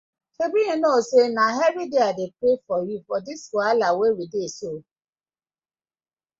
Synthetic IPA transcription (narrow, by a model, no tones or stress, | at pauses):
kebiinosenaɦɛɾideadepɾefɔjufɔdiswɔalawewideso